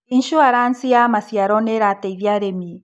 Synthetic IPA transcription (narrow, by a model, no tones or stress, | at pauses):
inʃuaɾansiamasiaɾoneɾat̪eiβjaɾemi